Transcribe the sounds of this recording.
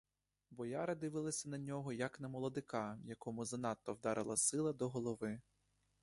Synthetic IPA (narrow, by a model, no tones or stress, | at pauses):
bɔjɑɾɐd̪ɪʋɪlˠɐsʲɐnɐnʲɔɦɔjɐknɐmɔlˠɔd̪ɪkɑjɐkɔmʊzɐnɑt̪ːɔwd̪ɑɾʔɪlˠɐsɪlˠɐd̪ɔɦɔlˠɔʋɪ